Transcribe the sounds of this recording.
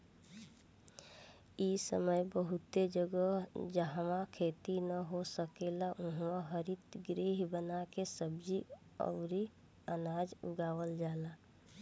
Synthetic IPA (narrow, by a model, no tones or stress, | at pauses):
isəməjbəɦʊt̪ed͡ʒəɡəd͡ʒəɦmãkʰeːt̪inəɦosəkeːlaʔʊ̃ɦmaɦəɾit̪ɡɾiːɦbənakesəbd͡ʒi | ɔ̰ːɾi | ənaːd͡ʒʊɡaːwəld͡ʒaːlaː